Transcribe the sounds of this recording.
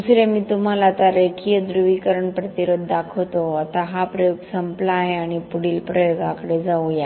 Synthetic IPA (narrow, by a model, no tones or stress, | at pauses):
usɾemiːt̪um̤alat̪aɾekʰijəd̪ɾuʋikəɾəɳpɾət̪iɾud̪d̪akʰəʋt̪oat̪aɦapɾəjuɡsəmplaːɦeaɽ̃ipuɽilpɾəjoɡakəɽed͡zauja